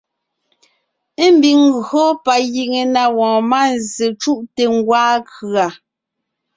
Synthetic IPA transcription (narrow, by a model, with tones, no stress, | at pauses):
m̩˨˦bi˨ŋɣɰo˦pa˨ji˨ŋe˨na˨wɔ̃ː˨ma˦˨nze˨t͡ʃu˦ʔte˨ŋ˦ɡwaː˦kɰa˨